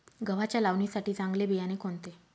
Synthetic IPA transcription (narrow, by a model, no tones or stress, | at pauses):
ɡəʋ̤at͡ɕjalaʋnisaʈiːt͡saŋɡlebijanekont̪e